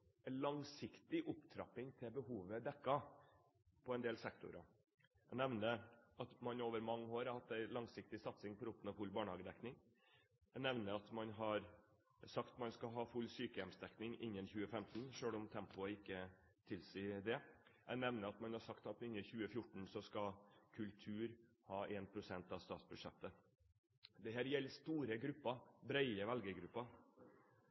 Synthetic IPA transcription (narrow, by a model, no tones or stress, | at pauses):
ɛɪlɑŋsɪkt̪ɪʔʊpt̪ʰɾɑ̰pɪŋt̪ʰɪlbəɦuːʋəd̪ɛkːɑ | pʰɔɛɪnd̪eːlsɛkt̪ʊ̰ɾɑ | ænɛʋnəɑt̪mɑnoːʋəɾmɑŋːəoːɾɑhɑt̪ːæɪlɑŋsɪk̚t̪ɪsɑt̪sɪŋpʰɔɾʊpːənəfʉlːbɑːɳəhɑːɡəd̪ɛknɪŋ | æɪnɛʋnəɑt̪mɑnɦɑɾ | sɑkt̪mɑnskɑɦɑːfʉlːsyːkəjɛmsd̪ɛknɪŋɪnjənçʉːəfɛmt̪n̩ʂøːɽɔmt̪ʰɛmpʊəɪkːə | t̪ʰɪlsiːd̪ɛʔænɛʋnəɾɑt̪mɑnhɑʂɑkt̪ɑt̪ɪnːəçʉːəfjʊʈɳ̩sɔskɑkʰʉlt̪ʰʉːɾ | hɑːʔeːnpʰɾʊsɛnt̪ɑʋst̪ɑːt̪sbʉdʂɛt̪ːə | d̪ɛɦæːɾjɛlːst̪uːɾəɡɾʉpːɑbɾæɪəʋɛlɡəɡɾʉpːɑ